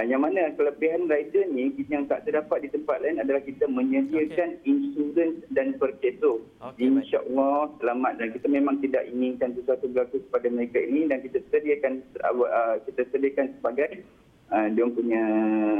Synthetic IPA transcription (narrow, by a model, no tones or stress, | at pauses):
ajaŋmanakələbiɦanraidənikjaŋt̪a̰ʔt̪ərdapat̪̚dit̪əmpat̪lainadalahkit̪amə̃ɲədiəkaninsuɾənsdanpərkeso | dinʃaʔəlːɔsəlamat̪̚dankit̪amemãŋt̪ida̰ʔiŋinkansəsuat̪ubəlakukə̥padaməɾekainidankit̪asədiakanəkit̪asədiəkansəbaɡaj | əduampuɲa